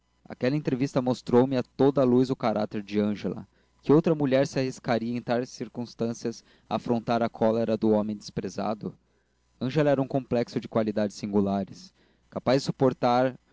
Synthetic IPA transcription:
a̰kɛlɐẽnt̪ɾevist̪ɐmost̪ɾowmɪat̪od̪ɐluzʊkaɾʔa̰t̪eɾd͡ʒɪɐ̃ʒelɐ̰ | kɪowt̪ɾɐmuʎɛɾsɪahiskaɾiɐẽt̪aɾsiɾkũst̪ɐ̃siɐs | aafɾõnt̪aɾɐkʰɔleɾɐd̪ʊomẽj̃d̪ɪspɾeza̰d̪ʊ | ɐ̃ʒelɐɛɾɐũkõmplɛksʊd͡ʒɪkwalid̪ad͡ʒɪsĩŋɡulaɾɪs | kapazd͡ʒɪsupoɾt̪aɾ

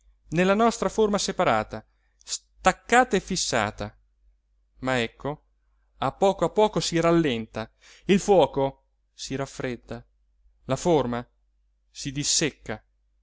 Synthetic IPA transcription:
nelːanɔst̪ɾaformasepaɾa̰ːt̪a | st̪akːaːt̪aefːisːa̰ːt̪a | maɛkʰːo | apːɔːkoapːɔːkosiɾalːɛnt̪a | ilfwɔːko | siɾafːɾed̪ːa | laforma | sid̪isːekːa

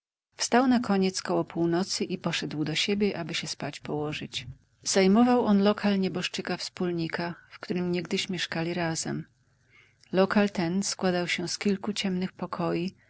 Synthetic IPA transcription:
fst̪awnakʰɔɲɛt̪skɔwɔpuwnɔt̪sɘʔipɔʂɛd̪wd̪ɔɕebʲjɛʔabɘɕɛspat͡ɕpɔwɔʐɘt͡ɕ | z̥ajmɔvawɔnlɔkʰalɲɛbɔʂt͡ʂɘkafspulɲikafkt̪uɾɘmɲɛɡd̪ɘɕmʲjɛʂkalʲiɾazɛ̰m | lɔkalt̪ɛnskwad̪awɕɛskʲilkut͡ɕɛmnɘxpɔkʰɔji

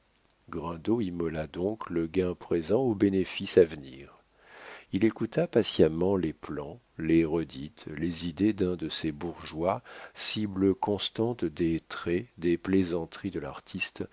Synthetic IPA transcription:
ɡʁɛ̃d̪oimɔlad̪ɔ̃kləɡɛ̃pχezɑ̃obenefisavniːʁ | ilekut̪apasjamɑ̃leplɑ̃ | leʁəd̪it̪lezid̪ed̪ɛ̃d̪əsebuʁʒwasibləkɔ̃st̪ɑ̃t̪d̪et̪χɛd̪eplezɑ̃t̪χid̪əla̰ʁt̪ʰist̪

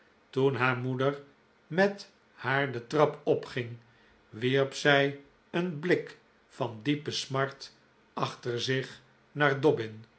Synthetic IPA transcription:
tunɦaːɹmudəɹ | mɛt | haːɹdətrɑpɔpχɪŋ | ʋiɹpsɛj | ənblɪk | fɑndipəsmɑɹt | ɑχtəɹzɪχ | naːɹdɔbɪn

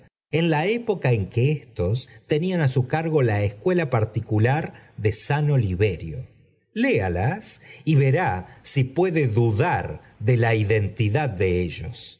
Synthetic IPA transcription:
enlaepo̞kae̞ŋkeest̪o̞st̪e̞nianasukaɾɣo̞laeskwe̞lapaɾt̪ikulaɾðe̞sano̞liβe̞ɾjo̰ | lealasiβe̞ɾasipwe̞ðe̞ðuðaɾ | ðe̞laiðe̞nt̪iðaðːeeʒo̰s

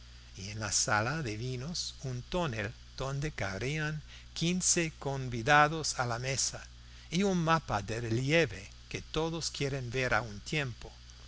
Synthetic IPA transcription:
ienlasalaðeβinosunt̪onel | d̪̥õ̞nd̪ekaɾiaŋ | kʰinsekombiðaðosalamesa | iunmapaðereljeβe | ket̪oðoskjeɾenbeɾa̰unt̪jempo

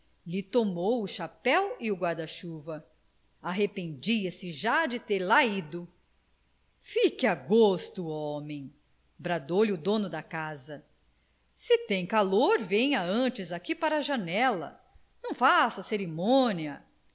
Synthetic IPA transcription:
lɪt̪omowʊʃapɛwɪʊɡwaɾd̪ɐʃuvɐ | aɦepẽnd͡ʒiɐsɪʒad͡ʒɪt̪eɾlaid̪ʊ | fikɪaɡost̪ʊɔmẽj̃ | bɾad̪owlɪʊd̪õnʊd̪ɐkazɐ | sɪt̪ẽj̃kaloɾvẽj̃ɐɐ̃t͡ʃɪzakipaɾɐʒɐnɛlɐ̰ | nɐ̃w̃fasɐseɾimõniɐ

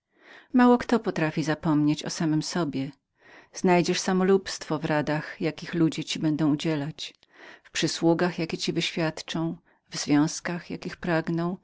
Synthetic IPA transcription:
mawɔkt̪ɔpɔt̪ɾafʲizapɔmɲet͡ɕɔ̰samɘmsɔbʲjɛ | z̥najd͡ʑɛʂsamɔlupst̪fɔvɾad̪axjakʲixlud͡ʑɛt͡ɕibɛnd̪ɔ̃w̃ud͡ʑɛlat͡ɕ | fpʂɘswuɡaxjakʲɛt͡ɕivɘɕfʲjat̪t͡ʂɔ̃w̃ | vzvʲjɔ̃w̃skaxja̰kʲixpɾaɡnɔ̃w̃

